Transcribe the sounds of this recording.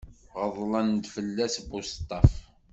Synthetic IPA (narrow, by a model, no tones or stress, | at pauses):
ʁəðˤlɑnd̪fəlːæsbust̪ˤːɑf